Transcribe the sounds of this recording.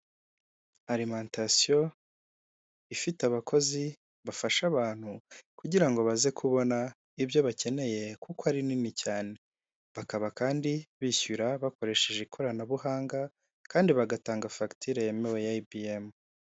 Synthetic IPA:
aɾimaːntasijo̞ | ifitaβakʰo̞zi | βafaʃaβaːn̥hukuɟiɾaŋɡo̞βaze̞kʰuβo̞na | iβjo̞βace̞ne̞je̞kukoaɾininicaːne̞ | βakaβakaːndiβiçuɾaβako̞ɾe̞ʃe̞ʒeikʰo̞ɾanaβuhaːŋɡa | kaːndiβaɡataːŋɡafaktʰiɾejemewe̞jaibiem

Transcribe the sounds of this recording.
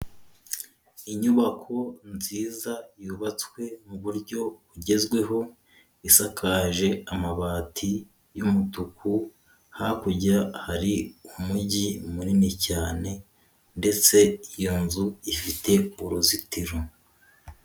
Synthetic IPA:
iɲuβakʰo̞nziːzajuβat͡swe̞muβuɾɟo̞βuɟe̞zɡwe̞ɦo̞ | isakʰaʒe̞amaβaːtʰi | jumutukʰu | hakuɟahaɾiumuɟimuninicaːne̞ | nde̞t͡se̞ijonzuifite̞uɾozitiɾo

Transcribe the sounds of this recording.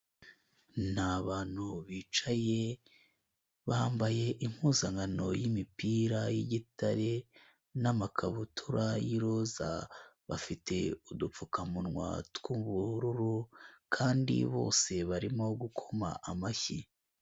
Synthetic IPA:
nhaβaːn̥huβiːt͡ʃaje | βaːmbaje̞ʔim̥huːzaŋɡano̞jimipiːɾajiɟitʰaɾe | namakʰaβutʰuɾajiɾoza̰βa̰fite̞udup͡fukamunŋwa̰tkuβuɾuɾukʰaːndḭβo̞̰ːse̞βaɾimo̞ɡukʰo̞ma̰ʔamaçi

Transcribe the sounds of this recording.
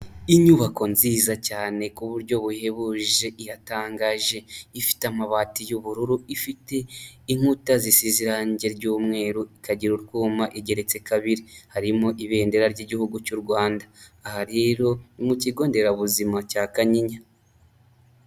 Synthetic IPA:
iɲuβako̞nziːzacaːne̞kuβuɾɟo̞βuhe̞βuʒe̞ʔijataːŋɡaʒe̞ifi̥teamaβaːtijuβuɾuɾuifite̞iŋ̥utazisiziɾaːɲɟe̞ɾɟuːmŋe̞ːɾuikaɟiɾuɾɡuːmaʔiɟe̞ɾe̞t͡se̞kaβiɾihaɾimoʔiβe̞ːnde̞ɾaɾɟiɟihuɡucuɾɡwaːndaːhaɾeɾo̞nimuciɡo̞ːnde̞ɾaβuzimacaːkaɲiɲa

